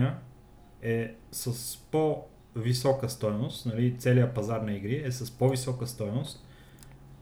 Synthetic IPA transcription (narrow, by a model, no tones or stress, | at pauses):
nə | ɛsəspo | visɔkəst̪ɔjnost̪nɐlit̪sɛliəpɐzaɾnɐiɡɾiɛsəspovisɔkəst̪ɔjnost̪̚